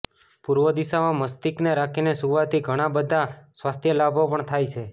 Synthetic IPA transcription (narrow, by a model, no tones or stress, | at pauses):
puɾʋəd̪isamãməst̪ikneɾakʰinesuʋat̪ʰiɡʱəɽ̃abəd̪ʱasʋast̪ʰjəlabʱopəɳt̪ʰajt͡ʃʰe